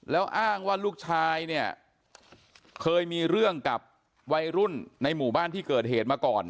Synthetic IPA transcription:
lɛː˦˥wʔaː˥˩ŋwaː˥˩luː˥˩k̚t͡ɕʰaː˧jni˥˩ə | kʰɤː˧jmiː˧ɾɯ˥˩əŋka˨˩p̚ | wa˧jɾu˥˩nːa˧jmuː˨˩baː˥˩nt̪ʰiː˥˩kɤː˨˩t̪̚ɦeː˨˩t̪̚maː˧kɔː˨˩n

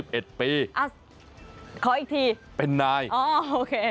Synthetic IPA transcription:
i˨˩p̚ʔe˨˩t̪̚piː˧ʔa˧˩ | kʰɔː˩˦ʔi˨˩t̪ʰiː˧pe˧nːaː˧jʔɔː˧˩oː˧kʰeː˧

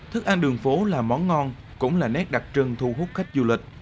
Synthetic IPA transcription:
t̪ʰɨ˦˥k̚ʔaː˧nɗɨ˨˩əŋfo˨˦laː˨˩mɔ˨˦nŋɔ˧n | kʊ̰˧˥ŋ͡mlaː˨˩nɛ˦˥k̚ɗa˨˩t̚t͡ɕə˧ŋt̪ʰu˧ɦu˦˥t̚xa˦˥jk̟̚zu˧lï˨˩k̟̚

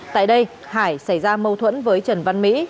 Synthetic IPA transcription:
t̪a̰ː˧˨jɗə˧j | haː˧˩jsa˧˩jzaː˧mə˧wt̪ʰwə˧˥nvəː˨˦jt͡ɕə˨˩nva˧nmḭ˧˥

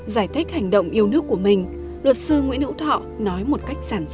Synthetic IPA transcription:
zaː˧˩jt̪ʰi˦˥k̟̚ha˨˩jŋ̟ɗə̰˧˨wŋ͡mʔi˧əwnɨ˦˥əkːu˧˩əmï˨˩ŋ̟ | lwə˨˩t̚sɨ˧ŋwḭ˧˥ənhɨ̰˧˥wt̪ʰɔ̰˧˨nɔ˨˦jmo˨˩t̚ka˦˥jk̟̚saː˧˩n

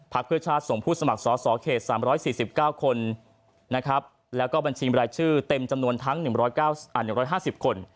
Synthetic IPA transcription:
pʰa˦˥k̚pʰɯ˥˩ɐt͡ɕʰaː˥˩t̪̚so˨˩ŋpʰuː˥˩sa˧ma˨˩k̚sɔː˩˦sɔː˩˦kʰeː˨˩t̪̚saː˩˦mɾɔː˦˥jsiː˨˩si˨˩p̚kaː˥˩wkʰo˧nː | a˦˥kʰɾa˦˥p̚ | lɛː˦˥wkɔː˥˩ba˧nt͡ɕʰiː˧ɾaː˧jt͡ɕʰɯː˥˩t̪e˧mt͡ɕa˧mnu˧ənt̪ʰa˦˥ŋnɯ˨˩ŋɾɔː˦˥jkaː˥˩wʔaː˨˩nɯ˨˩ŋɾɔː˦˥jɦaː˥˩si˨˩p̚kʰo˧n

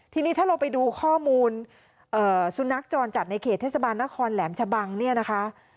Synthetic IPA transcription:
t̪ʰiː˧niː˦˥t̪ʰaː˥˩ɾa˧wpa˧jduː˧kʰɔː˥˩muː˧n | ʔɤː˨˩su˨˧˦na˦˥k̚t͡ɕɔː˧nt͡ɕa˨˩t̪̚na˧jkʰeː˨˩t̪ʰːe˥˩sa˧baː˧nːa˦˥kʰɔː˧nlɛː˩˦mt͡ɕʰa˧ba˧ŋni˥˩əna˦˥kʰa˦˥ʔ

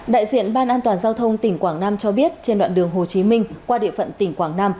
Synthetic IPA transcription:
ɗa̰ː˧˨jzḭ˧˨ənɓaː˧nʔaː˧nt̪waː˨˩nzaː˧wt̪ʰə˧wŋ͡mt̪ï˧˩ŋ̟kwaː˧˩ŋnaː˧mt͡ɕɔ˧ɓi˦˥ət̚t͡ɕe˧nɗw̰ːnɗɨ˨˩əŋɦo˨˩t͡ɕi˨˦mï˧ŋ̟kwaː˧ɗḭ˧˨əfə̰˧˨nt̪ï˧˩ŋ̟kwaː˧˩ŋnaː˧m

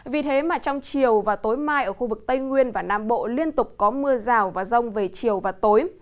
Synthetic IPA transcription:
vi˨˩t̪ʰe˨˦maː˨˩t͡ɕɔ˧wŋ͡mt͡ɕi˨˩əwvaː˨˩t̪o˨˦jmaː˧jʔəː˧˩xu˧vɨ˨˩k̚t̪ə˧jŋwi˧ənvaː˨˩naː˧mɓo̰˧˨li˧ənt̪ʊ˨˩k͡p̚kɔ˨˦mɨ˧əzaː˨˩wvaː˨˩zə˧wŋ͡mve˨˩t͡ɕi˨˩əwvaː˨˩t̪o˨˦j

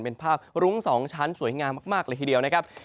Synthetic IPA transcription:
npe˧npʰaː˥˩p̚ɾu˦˥ŋsɔː˩˦ŋt͡ɕʰa˦˥nsu˨˩˦jŋaː˧mːaː˥˩k̚maː˥˩k̚lɤː˧jt̪i˧di˧əwna˦˥kʰa˦˥p̚

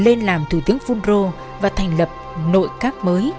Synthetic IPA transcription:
le˧nlaː˨˩mt̪ʰu˧˩t̪ɨ˨˦əŋfu˧nzo˧ | vaː˨˩t̪ʰa˨˩jŋ̟lə˨˩p̚no̰˧˨jkaː˦˥k̚məː˨˦j

